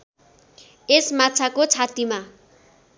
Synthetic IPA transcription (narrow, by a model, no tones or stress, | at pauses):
esmat͡sʰakot͡sʰat̪ima